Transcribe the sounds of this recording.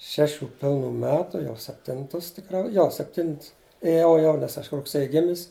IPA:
ˈʃʲæːˌʃʲuː ˈpʲɪlˠˌnuː ˈmʲæːtʊ jɛʊ sʲɛpʲˈtʲɪntʊs tʲɪˈkrɐʊ ˈjoː sʲɛpʲˈtʲɪnts eːˈjɛʊ jɛʊ nʲɛs ˈɐʃ rʊkˈsʲeːjɪ ˈɡʲɪmʲɪs

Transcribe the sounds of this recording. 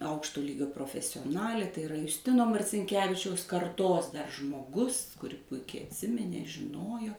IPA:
ˈɐʊkʃtoː ˈlʲiːɡʲoː proːfʲɛsʲoːˈnɑːlʲeː tɐɪ ɪˈrɐ jʊsʲˈtʲɪnoː mɐrʲt͡sʲɪŋʲˈkʲæːʋʲɪt͡ʃʲɛʊs kɐrˈtoːs dɐr ʒmoːˈɡʊs kʊˈrʲɪ ˈpʊɪkʲɛɪ ɐtʲˈsʲɪmʲɪnʲeː ʒʲɪˈnoːjoː

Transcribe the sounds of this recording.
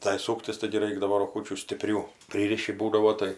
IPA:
tɐɪ ˈsuːktʲɪs tɐɪɡʲɪ ˈrɐɪɡdɐʋoː roːˈɡʊt͡ʃʲuː sʲtʲɪˈpʲrʲuː ˈpʲrʲiːrʲɪʃʲɪ ˈbuːdɐʋoː ˈtɐɪ

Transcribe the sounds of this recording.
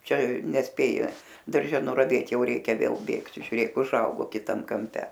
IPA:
ˈt͡ʃʲɛ nʲɛsʲˈpʲeːjɪ dɐrʲˈʒʲɛ nʊrɐˈʋʲeːt ˈjɛʊ ˈrʲɛɪkʲɛ ˈʋʲeːlˠ ˈbʲeːkt ʒʲʊˈrʲeːk ʊˈʒɐʊɡoː kʲɪˈtɐm kɐmʲˈpʲɛ

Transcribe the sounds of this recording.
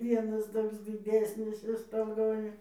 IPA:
ˈʋʲiɛnɐs ˈtoːks dʲɪˈdʲæːsʲnʲɪs ɪr stoːˈɡoːj

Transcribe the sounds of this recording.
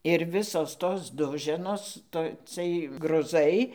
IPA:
ɪr ˈʋʲɪsoːs ˈtoːs ˈdʊʒʲɛnoːs ˈtoː ˈt͡sɨɜj ɡrʊˈzɐɪ

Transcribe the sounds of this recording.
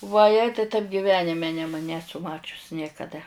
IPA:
ʋɐˈjɛɪ tɐɪp ɡʲɪˈʋʲæːnʲɪmʲɛ nʲɛm ˈnʲæːsʊ ˈmɑːt͡ʃʲʊs nʲiɛkɐˈdɐ

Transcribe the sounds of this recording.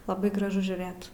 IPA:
lˠɐˈbɐɪ ɡrɐˈʒʊ ʒʲuːˈrɘt

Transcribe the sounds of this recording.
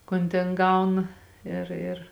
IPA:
ˈkoːn tʲeːn ˈɡɐʊnɐ ˈɪr ɪr

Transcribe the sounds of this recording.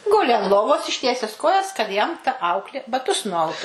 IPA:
ˈɡʊlʲɪ ɐn ˈlˠoːʋoːs ɪʃʲˈtʲiɛsʲɛs ˈkoːjɛs kɐt jɛm tɐ ˈɐʊklʲeː bɐˈtʊs nʊˈɐʊtʊ

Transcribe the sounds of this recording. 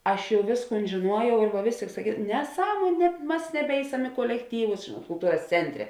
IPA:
ˈɐʃ ˈjɛʊ ˈʋʲeːsˌkuːn ʒʲeːˈnuɔjɛʊ ɪr ʋɐ ˈʋʲeːs tʲeːɪk sɐˈkʲiːs nʲɛˈsɑːmuɔnʲ nʲɛ ˈmɐs nʲɛˈbʲɛɪsʲɛm ɪ kuɔlʲɛkˈtʲiːʋʊs ʒʲeːnuɔt kʊlˠˈtuːrɐs ˈt͡sʲɛnʲtʲˌrʲɛ

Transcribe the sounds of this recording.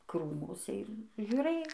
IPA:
ˈkruːmʊsʲɛ ɪr ʒʲuːˈrɘj

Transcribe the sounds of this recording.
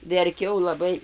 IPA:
ʋʲɛrʲˈkʲɛʊ lˠɐˈbɐɪ

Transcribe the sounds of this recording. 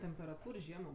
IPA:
tʲɛmʲpʲɛrɐˈtuːr ˈʒʲiɛmoː

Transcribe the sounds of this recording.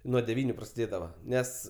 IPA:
nuɔ dʲɛˈʋʲiːnʲʊ prɐsʲɪˈdʲeːdɐʋɐ ˈnʲɛs

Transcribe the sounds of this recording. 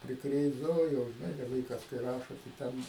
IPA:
pʲrʲɪˈkrʲeːzdɐʋoː ˈjoː ʒʲɪˈnɐɪ dɐ ˈʋɐɪkɐs kɐɪ ˈrɑːʃoː tɐɪ ˈtʲɛn

